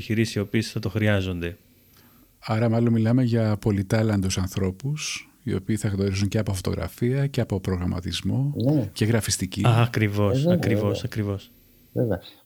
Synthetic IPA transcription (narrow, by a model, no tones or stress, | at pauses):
çiɾisio̞piesθɐt̪o̞xɾiɐzo̞nd̪e̞ | ɐɾɐmɐlo̞nmilɐme̞ʝɐpo̞lit̪ɐlɐnd̪usɐnθɾo̞pus | io̞̰piːθɐɣno̞ɾizuɲce̞ɐpo̞fo̞t̪o̞ɣɾɐ̰fiɐce̞ɐpo̞pɾo̞ɣɾɐmɐ̰t̪izmo̞nece̞ɣɾɐfist̪icikɾivo̞sɐkɾivo̞sɐkɾivo̞s | vevɐ